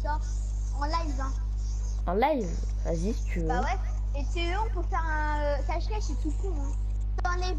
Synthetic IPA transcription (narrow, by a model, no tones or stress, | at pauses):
ɔ | ɑ̃lajvɛ̃ | ɑ̰̃lajv | a̰zist̪yawɛ | et̪y | ɔ̃puʁfɛʁɛ̃ | øsaʃʁɛʃet̪ukuɛ̃ | t̪ɑ̃nɛv